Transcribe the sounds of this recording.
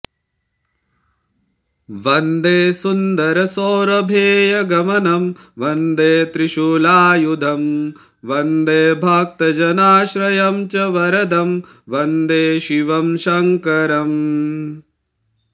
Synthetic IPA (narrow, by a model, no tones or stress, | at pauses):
ʋɐnd̪eːsund̪ɐɾɐsoːɾɐbʱeːjɐɡɐmɐnɐm | ʋɐnd̪eːt̪ɾɪʃulaːjud̪ʱɐm | ʋɐnd̪eːbʱaːk̚t̪ɐd͡ʒɐnaːʃɾɐjɐmt͡ʃɐʋɐɾɐd̪ɐm | ʋɐnd̪eːʃiʋɐmʃɐŋkɐɾɐm